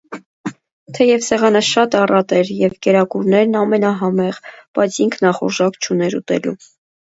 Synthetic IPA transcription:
t̪ʰɛjɛvsɛʁɑnəʃɑt̪ɑrɑt̪ɛɾjɛvkɛɾɑkuɾnɛɾnɑmɛnɑɦɑmɛʁb̥ɑjt͡sʰiŋkʰnɑχṵɾʒɑkt͡ʃʰunɛɾṵt̪ɛ̰lṵ

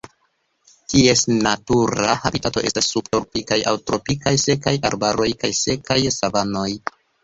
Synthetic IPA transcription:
tie̞snatuɾahabitato̞ʔe̞̰stasːubtoɾpikajawtɾo̞pikajse̞kajaɾbaɾo̞jkajse̞kajsavano̞j

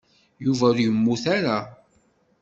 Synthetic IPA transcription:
juvæɾjəmːuθæɾa

